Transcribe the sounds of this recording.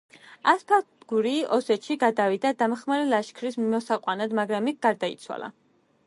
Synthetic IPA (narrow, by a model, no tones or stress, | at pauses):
aspʰa | ɡ̥uɾiɔsɛt̪ʃiɡad̪avid̪ad̪amχmaɾɛlaʃkʰɾismimɔsaqʼwanad̪maɡɾamikʰɡaɾd̪aḭt̪sʰwa̰la̰